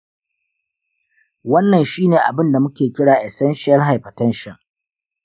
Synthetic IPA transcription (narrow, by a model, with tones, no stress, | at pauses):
wɐ˦nːɐ˨nʃiː˦neː˨ʔa̰˨bɪ˦nda˨mʊ˦kʲeː˨kʲɪ˦ɽaː˨ʔɛ˨sɛ˦nʃɪ˦ɐ˦lɦa˨jɸɐ˨tɐ˦nʃɪ˨ŋ